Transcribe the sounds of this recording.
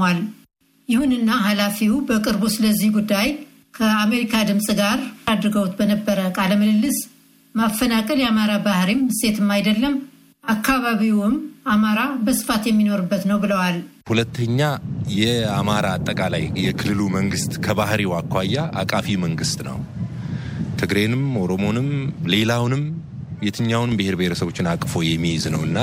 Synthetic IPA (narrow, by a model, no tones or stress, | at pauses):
al | jɪhunɨnːaɦalafiwbəkʼɨɾbusɨləzːihɡud̪ːaj | kʰəame̞ɾikʰad̪ɨmsʼɡaɾad̪ɾɨɡəwt̪bənəbːəɾəkʼaləməlɨlːɨs | mafːənakʼəljɛamaɾabahɾimse̞t̪ʰɨmːajd̪əlːəm | ʔakʰːaβaβiwɨmamaɾabəsɨ̥fat̪jɛmːino̞ɾɨbːət̪nəwbɨləwalhulət̪ʰːəɲːajɛamaɾaːt̪ʼːəkʼala̰jjɛkʰɨlːɨluməŋɡɨst̪kʰəβahɾiwakʰʷːajːaʔa̰kʼafiməŋɡɨst̪nə̰w | t̪ʰɨɡɾe̞nɨmo̞ɾo̞mo̞nɨmle̞lawnɨm | jɛt̪ʰɨɲːawnɨmbɨhe̞ɾbeheɾəsəβo̞t͡ʃːɪnakʼfo̞jɛmːijznə̰wɨnːa